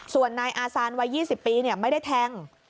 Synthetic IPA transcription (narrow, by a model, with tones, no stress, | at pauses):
su˨˩ənːaː˧jʔaː˧saː˧nwa˧jːiː˥˩si˨˩pːiː˧ni˥˩əma˥˩jda˥˩jt̪ʰɛ˧ŋ